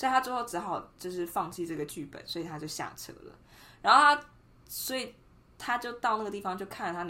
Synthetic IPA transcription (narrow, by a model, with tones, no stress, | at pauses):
wɔ˧˥i˨˩a˥t͡swxo˥˩ʊʈ͡ʂɻ̩˧˥xɑ˨˩ʊt͡ɕjo˥˧ʊʂɻ̩˥˧fɑ˥˧ŋt͡ɕʰi˥˧ʈ͡ʂɤ˥˩ɡə˩t͡ɕy˥˩pə̰˨˦nswɔ˧˥i˨t̪ʰa˥t͡ɕjo˥˧ʊɕja̰˥˩ʈ͡ʂʰɤ̰˧˥lə̰˦ | ɻa˧˥nxo˥˩t̪ʰa˥ | swɔ˧˥i˨˩ | t̪ʰa˥t͡ɕjo˥˧ʊt̪ɑ˥˧ʊna˥˩ɡə˩t̪i˥˩fɑ˨ŋt͡ɕjo˥˧ʊkʰa˥˩nlə˩t̪ʰa˥